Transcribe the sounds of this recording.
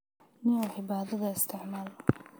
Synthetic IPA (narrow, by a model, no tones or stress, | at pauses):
nɪɔʕɪbaːðɐðɐɪst̪ʰɪʕmaːl